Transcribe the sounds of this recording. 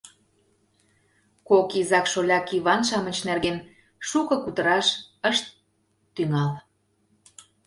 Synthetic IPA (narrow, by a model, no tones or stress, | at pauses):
kokizɑkʃolʲɑkiβɑnʃ̬ɑmət͡ɕnerɣen | ʃukɤ̆kut̪əɾɑʃəʃt̪ː | yŋɑl